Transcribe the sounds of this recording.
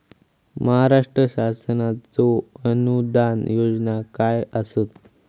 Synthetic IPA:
məɦaɾaʂʈɾəɕasənat͡soənud̪ʱanjod͡znakajəsot̪

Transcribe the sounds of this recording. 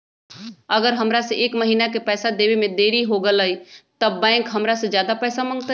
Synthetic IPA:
əɡəɾɦəmɾasẽʔeːkməɦiːnakepɛːsad̪eːwemẽd̪eːɾiɦoɡələit̪əːɛ̃ːŋkɦəmɾasẽd͡ʒjaːd̪apɛːsamə̃ŋɡ̚t̪a

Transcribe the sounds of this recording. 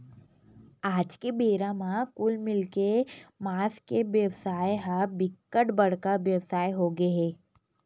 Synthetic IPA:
aːd͡ʒkebeːɾãmãkʊlmɪlkemaːskeʋjəwsaːjɦabɪkːəʈbɐɽ̤kaʋjəʋsaːjɦoɡeɦɛː

